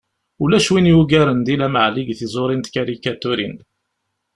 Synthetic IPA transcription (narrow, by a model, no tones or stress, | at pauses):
ulæʃwinjuɡæɾənd̪ilæməʕliɡθizˤoɾˤint̪kaɾikat̪ʊɾin